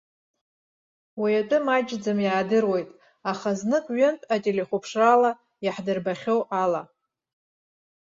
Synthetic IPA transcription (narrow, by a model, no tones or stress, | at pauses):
wijatʼɨmad͡ʒd͡zamjaːdɨrwejtʼ | aχaznɨkʼɥʏntʼatʼeleχʷupʰʂrala | jaħdɨrbaχʲowʔala